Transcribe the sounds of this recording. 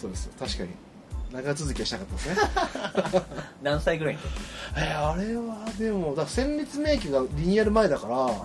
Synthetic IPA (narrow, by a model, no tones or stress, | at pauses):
so̞ːd̪e̞sɨjot̪aɕi̥kaɲ̟ḭ | naɡat͡sɨzɨkʲiaɕinakat̪ːad̪sɨne | nãɰ̃saiɡɯ̟ɾaiɲaeaɾe̞βad̪e̞mo̞d̪asẽ̞mbʲit͡sɨme̞ːk̬ʲiɡaɾʲiɲ̟iaɾɯ̟mae̞d̪akaɾa